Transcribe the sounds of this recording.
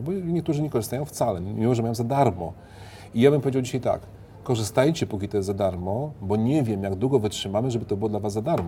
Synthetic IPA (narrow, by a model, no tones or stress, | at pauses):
bɔɲɛk̚t̪uʐɘɲɛkɔʐɨst̪ajɔ̃w̃ft̪salɛmʲimɔʐɛmajɔ̃w̃zad̪aɾmɔ̰ | ijabɘmpɔvʲed͡ʑawd͡ʑiɕajt̪a̰kː | ɔʐɘst̪ajt͡ɕɛpukʲit̪ɔjɛzzad̪aɾmɔbɔɲɛvʲjɛmjaɡd̪wuɡɔvɘtʂɘmamɘʐɛbɘt̪ɔbɘwɔd̪lavasːad̪aɾmɔ